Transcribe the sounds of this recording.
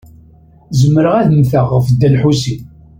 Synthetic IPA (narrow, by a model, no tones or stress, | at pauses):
zəmːəɾəʁæðəmθəʁːfd̪ːælħusi